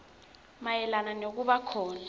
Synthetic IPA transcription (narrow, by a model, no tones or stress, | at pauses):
majɛlananok̬uɓakʰɔːla